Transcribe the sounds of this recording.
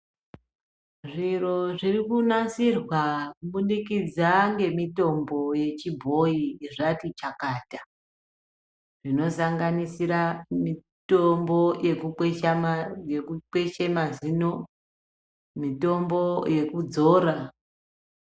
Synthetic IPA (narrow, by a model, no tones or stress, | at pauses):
ʐiro̞ʐirikunasirwakuɓunikid͡zaŋɡe̞mito̞mboje̞t͡ʃibʱo̞iiʐatit͡ʃakaːta | ʐ̥ino̞saŋɡanisiɾami | tombojeku | jekuk͡pe̞t͡ʃemazino | mito̞mbo̞je̞kud͡zoːɾa